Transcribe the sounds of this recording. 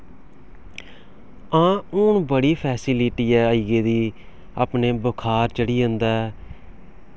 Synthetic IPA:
ãːʊɳbəɽiːpʰɛːsiːlɪʈiːɛːəiɡeːd̪iː | a̰ːpneːbəkʰaːɾt͡ʃəɽiːõnd̪aːɛ

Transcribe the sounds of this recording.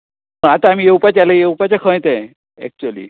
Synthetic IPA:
əat̪aːm̤ijeupat͡ɕalajeupat͡ɕakʰə̃jt̪ɛ̃ | ɛ̰k̚t͡ɕuəlḭ

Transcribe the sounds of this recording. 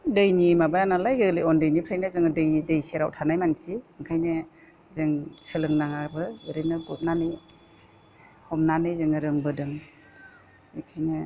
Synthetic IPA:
dɯjnimabajanalajɡɯliɔndɯjnipʰɾajnɯzɯŋɯdɯjdɯjseɾawtʰanajmansiɯŋkʰajnɯ | zɯŋsɯlɯŋnaŋabɯɯɾɯnɯɡut̚nanɯj | hɔmnanɯjzɯŋɯɾɯŋbɯdɯŋ | ɯkʰajnɯ

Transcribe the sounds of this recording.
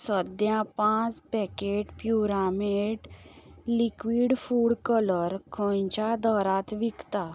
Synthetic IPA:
səd̪jãpãt͡spɛkeʈpjuɾameʈlikʋiɽfuɽkələɾkʰə̃jt͡ɕad̪əɾat̪ʋikt̪a

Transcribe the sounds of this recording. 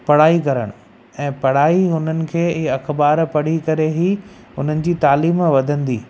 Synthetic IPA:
pɐɽaːikɐɾə̰ɽ̃ | ɛ̃ːpɐɽ̤aːiɦʊn̤ənɪ̆kʰeːɪɐxbaːɾpɐɽ̤ikɐɾeɦi | ʊn̤ənɪ̆d͡ʑiːt̪aːliːmʋɐd̪ʱə̃nd̪iː

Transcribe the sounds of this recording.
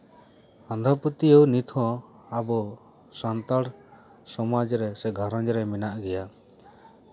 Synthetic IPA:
and̪ʱaput̪iəwnit̪ʰɔ̃ | abɔ | sant̪aɽ | sɔmad͡ʒɾɛsɛɡʱaɾɔɲd͡ʒɾɛminaʔɡɛja

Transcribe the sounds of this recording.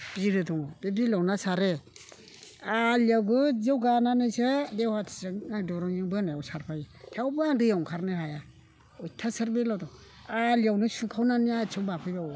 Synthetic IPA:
b̥iɾɯdɔŋb̥ebilawnasaɾe | aliawɡɯzawɡananɯjsɯdewhatʰsɯŋadɔɾɔɲɯŋbɯnajawsaɾpʰajtʰawbɯaŋdɯjawŋkʰaɾnɯhaja | ɔjtʰasaɾbelawdɔŋ | aliawnɯsukʰawnaniat͡ʃʰɯbapʰɯjbaw

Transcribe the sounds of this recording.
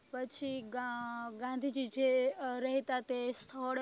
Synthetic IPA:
pət͡ʃʰi | ɡãnd̪ʱid͡ʒid͡ʒeɾɐɦit̪at̪est̪ʰoɽ

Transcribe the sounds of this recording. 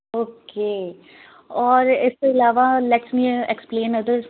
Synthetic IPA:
oːkeː | ɔːɾɪskoɪlaːʋalɛʈsmiːɛksplẽːnəd̪əɾ

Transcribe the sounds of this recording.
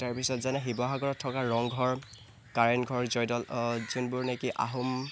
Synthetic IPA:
taɹpisɔtzanɛɦibɔɦaɡɔɹɔtʰːɔkaɹɔŋɡʱɔɹ | kaɹɛnɡʱɔɹzɔjdɔlzunbʊɹnekiʔa̰ɦum

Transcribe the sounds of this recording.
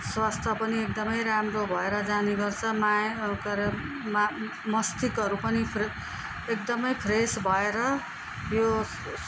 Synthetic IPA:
swast̪ʰʌpʌniek̚d̪ʌmʌjɾamrobʱʌeɾʌd͡zaneɡʌrt͡sʰʌmakʌɾ | m | mʌst̪ikʌɾupʌnipʰ | ek̚d̪ʌmʌjpʰresbʱʌeɾʌ | jo

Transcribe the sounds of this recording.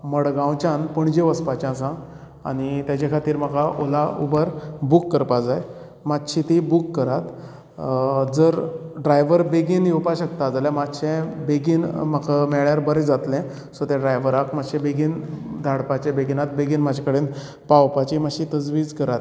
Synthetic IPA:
məɽɡãwt͡ɕãnpəɳd͡ʑeʋəspat͡ɕãsã | a̰ñit̪jat͡ɕakʰat̪iːɾm̤əkaʔolaubəɾbukːəɾpad͡zaj | mat̪ɕʰit̪ibukːəɾat̪ | d͡zəɾɖɾajʋəɾbeɡiːnjɛwpaɕəkt̪ad͡zaljãmat̪ɕẽbeɡiːnməkʰamɛɭjaɾbəɾɛd͡zat̪lɛ̃ | sɔt̪ɛ̃ɖɾajʋəɾakmaɕɛ̃beɡiːnd̪ʱaɽpat͡ɕẽbeɡinat̪̚beɡiːnmad͡ʑʱakəɽen | pawpat͡ɕimaɕit̪əd͡zʋiːd͡zkəɾat̪

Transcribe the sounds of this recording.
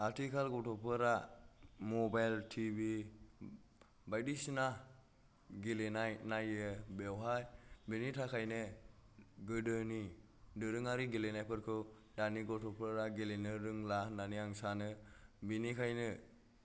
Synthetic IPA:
atʰikʰalɡɔtʰɔpʰɯɾa | mɔbajltʰibi | bajdisina | ɡilenajnajebewɦajbinitʰakʰajne | ɡɯdɯni | dɯɾɯŋaɾiɡilenajpʰɯɾkʰɯw | daniɡɔtʰɔpʰɯɾaɡelenɯɾɯŋlandaniaŋsanɯbinikʰajnɯ

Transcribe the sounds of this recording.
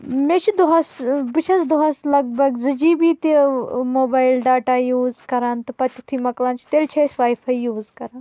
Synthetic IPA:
mẽːt͡ʃʰid̪oɦɐsbɨt͡ʃʰɐzd̪oɦɐslɐɡ̚bɐɡzɨd͡ʒiːbiːt̪imoːbaːjɪlɖaːʈaːjuːzkɐɾaːnt̪ɨpɐt̪ʲit̪ʰiːmɐklãːnt͡ʃʰi̥t̪eːlt͡ʃʰɐsʋaːjfʰaːijuːzkɐɾaːn

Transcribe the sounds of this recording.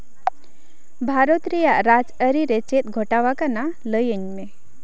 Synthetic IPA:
bʱaɾot̪ɾijaʔɾad͡ʒəɾiɾet͡ʃet̪̚ɡʱɔʈawakanaləjəɲme

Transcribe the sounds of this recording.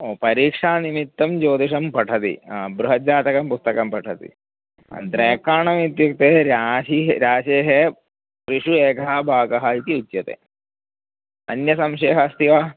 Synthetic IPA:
oːpɐɾiːkʂaːnimit̪ːɐmd͡ʒoːd̪iʂɐmpɐʈʰɐt̪ḭbɾuɦɐd͡ʒaːt̪ɐkɐmpust̪ɐkɐmpɐʈʰɐt̪ḭ | ɐ̰nd̪ɾeːkaːɳɐmit̪juk̚t̪eːɾaːʃiɾaːʃeːɦe | pɾiʂueːkɐɐbʱaːɡɐɦɐit̪iut̪ːjɐt̪ḛː | ɐ̰njɐsɐmʃeːɦɐst̪iʋa

